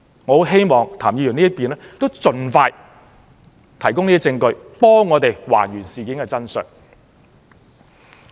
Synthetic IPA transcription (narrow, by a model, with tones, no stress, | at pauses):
ŋɔː˨˧˥ɦe˥jmɔː˨ŋt̪ʰaː˨˩mjiː˨˧jy˨˩niː˥jɐ˥t̚piː˨nlɛː˥t̪o˥wt͡sɵ˨nfaː˧j | t̪ʰɐ˨˩jk̬ʊ˥ŋniː˥t͡sɪ˧ŋkɵ˧ɥpɔː˥ŋːɔː˨˧t̪e˨jwa̰ː˨˩njyː˨˩nsiː˨kiː˨˥nkɛ˧t͡sɐ˥nsœ̰˨˩n̚